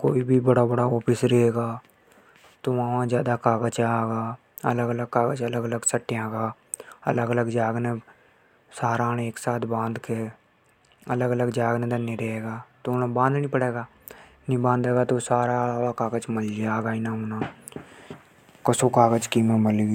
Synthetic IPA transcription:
koːibʱibəɽabəɽaɔːpʰɪsɾeeːɡaː | t̪oʋãːʋãzjaːd̪akaːɡət͡ʃaːɡaː | ə̰ləɡələɡ̚kaːɡət͡ʃələɡələɡsəʈːjãɡaː | ɐ̰ləɡələɡd͡ʒaːɡne | saːɾaːneːksaːt̪ʰbãːnd̪ke | ɐləɡələɡd͡ʒaːɡnẽd̪ɐnːeɾeɦeːɡaːt̪onbãːnd̪nĩpəɽeːɡaː | nĩbãːnd̪eːɡat̪osaːɾaʋakaːɡət͡ʃməld͡ʒaːɡaːinaonãː | kəsokaːɡət͡ʃkimeməlɡi

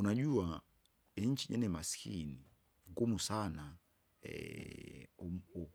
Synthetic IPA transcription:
unaʄuwa | ɛɲ̩t͡ʃiʄɛ̰nɛmasi̥kʰḭni | ŋɡumusana | ɛ̰

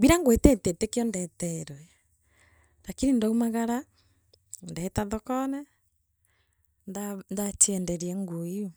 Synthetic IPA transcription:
biɾaŋɡwetɛtetekeɔndɛtɛeɾɔɛ | ɾakinindɔumaɣaɾa | ndɛetaðɔkɔnɛ | ndandat͡ʃiɛndɛɾiɛŋɡuiu

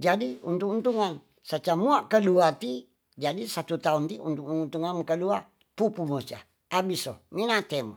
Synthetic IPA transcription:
d͡ʒadiunt̪ʊk̚unt̪uŋan | sat͡ʃamuaʔkəluat̪i | d͡ʒadisat̪ut̪aunt̪iunt̪uk̚unt̪uŋankəlua | pupumut͡ʃa̰ | abisɔminat̪emɔ

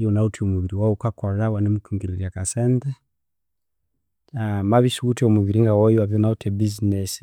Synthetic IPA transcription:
iɔnautʰiɔmuβiɾiwaukakɔɾawanɛmukuŋɡiliɾiakasɛntɛ | amaβisuutɛɔmuβiɾiŋɡawɔjiwavɔnautʰɛbiznɛsi

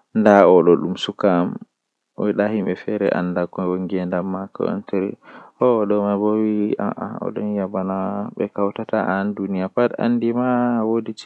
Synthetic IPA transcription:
ndaɔɗɔɗumsukam | ɔjɗahimɓɛfɛɾɛ̰ʔa̰nːdakɔwoŋɡɛndamːaka̰ɔ̰ntɛɾḭhɔɗɔmabowia̰ʔa̰ɔ̰ɗɔnjabanaɓɛ̰kawtataandunijapada̰nːdimawodit͡ʃ

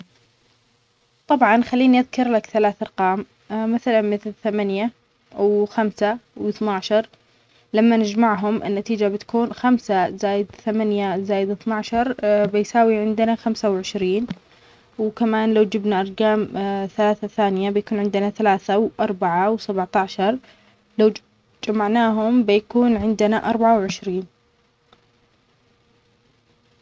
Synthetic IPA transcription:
t̪ˤɑbʕɑnxalːiːniʔaðkɑɾˤlakθalaːθʔɑɾˤqɑːm | maθalanmɪθlθamanja | wxamsawɪθnaʕʃɑɾˤ | lamːanɪd͡ʒmaʕɦʊmʔɪ̰nːat̪iːd͡ʒabɪt̪ḁkuːnxamsazaːjɪd̪θamanjazaːjɪd̪ɪθnaʕʃɑɾˤbɪjsaːwiʕɪnd̪ɪnaxamsawʕɪʃɾiːn | wkamaːnlawd͡ʒɪbnaʔɑɾˤɡaːmθalaːθaθaːnɪjabɪjakuːnʕɪnd̪ɪnaθalaːθawʔɑɾˤbaʕawsabʕt̪aʕʃɑɾˤ | law | d͡ʒamaʕnaːɦʊmbɪjakuːnʕɪnd̪ɪnaʔɑ̰ɾˤbaʕawʕɪʃɾiːn

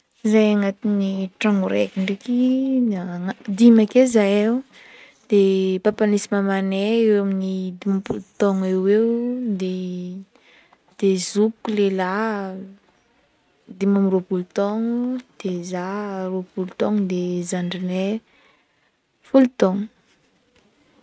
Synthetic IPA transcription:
zajaŋat̪iniʈ͡ʂaŋuɾekiɳɖ͡ʐekinaŋad̪imakezajew | d̪̥epapanisimamaneewaminid̪imapult̪ɔŋeewd̪e | d̪̥ezupkulela | d̪imamiropult̪ɔŋud̪̥ezaropulut̪ɔŋd̪ezaɳɖ͡ʐine | fulit̪ɔŋ

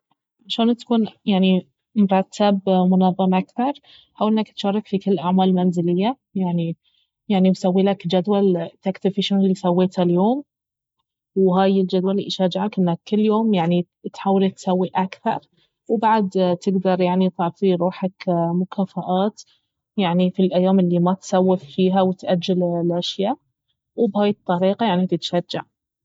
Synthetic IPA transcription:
aʃaːnt̪ḁkuːnjaʕni | mʊɾˤɑt̪ʰːabmʊnɑðˤːɑmʔakθɑɾˤ | ħawʔɪnːakt̪ʃɑɾˤːɑkfikɪlːʔaʕmaːlmanzɪlɪjːa | jaʕni | jaʕnibsawːiːlakd͡ʒad̪walt̪akt̪ɪbfɪʃʊɣlːisawːeːt̪haljoːm | wɦaːjɪld͡ʒad̪walːḭʔʃaːd͡ʒɪʕakʔɪnːakːɪlːjoːmjaʕni | t̪ħaːwalat̪sawːiʔakθɑ̰ɾˤ | wbaʕd̪t̪ɪɡd̪ɑɾˤjaʕnit̪ˤɑʕfiɾˤuːħakmʊkʰaːfaʔaːt̪ | jaʕnifilʔajːaːmɪlːimat̪sawːɪfːiːɦawɪt̪ʔad͡ʒːallʔaʃjaː | wbhaːjɨt̪ˤːɑɾiːqɑjaʕnit̪ɪt̪ʃad͡ʒːaʕ

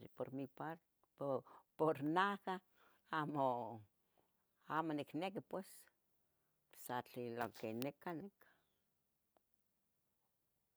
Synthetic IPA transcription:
poɾmipaɾ | poɾnaka | amo | amoniknekipwes | sat͡ɬiloŋkenekanik

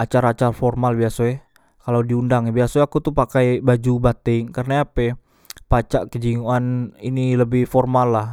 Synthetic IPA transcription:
at͡ʃaɾaːt͡ʃarfɔrmalbiasoɛ | kalawdiundaŋɛbiasoakut̪upakajbad͡ʒubat̪ɪŋkarənaapɛ | pat͡ʃaʔkəd͡ʒiŋuaniniləbɪhfɔrmalːah

